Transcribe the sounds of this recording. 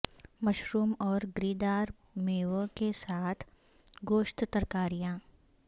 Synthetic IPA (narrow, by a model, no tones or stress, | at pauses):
mɐʃɾuːmɔːɾɡɾiːd̪aːɾ | meːʋəkesaːt̪ʰ | ɡoːʃt̪t̪əɾkaːɾijãː